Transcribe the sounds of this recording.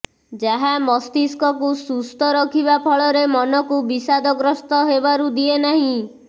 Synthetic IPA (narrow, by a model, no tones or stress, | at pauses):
d͡ʒaɦamɔst̪iskɔkusust̪ʰɔɾɔkʰiβapʰɔɭɔɾemɔnɔkubisad̪ɔɡɾɔst̪ɔɦebaɾud̪ienaɦĩ